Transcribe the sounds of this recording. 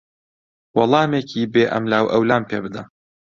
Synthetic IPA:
wɑlˠɑːmeːkʰiːbeːʔɐ̰mlaːwʔɐwlaːmpʰeːbɨd̪ɐ

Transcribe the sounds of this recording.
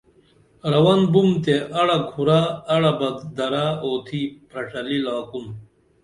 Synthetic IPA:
ɾɐwɐnbumt̪eʔɐɽɐkʰuɾaːɽɐbɐd̪d̪ɐɾaoːt̪ʰiːpʰɾɐʂɐlilaːkum

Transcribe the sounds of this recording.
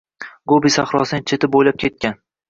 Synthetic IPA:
ɡobisaχɾɒ̰sɪnɪt͡ʃʰe̞t̪ʰɪp̚bojlap̚kʲʰe̞t̪̚kʲan

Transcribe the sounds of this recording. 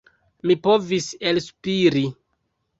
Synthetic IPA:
mipo̞viselspiɾi

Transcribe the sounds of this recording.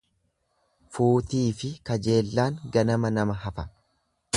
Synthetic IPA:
fuːt̪iːfɪkɐd͡ʒe̞ːlːaːŋɡɐnɐmɐnɐmɐɦɐfɐ

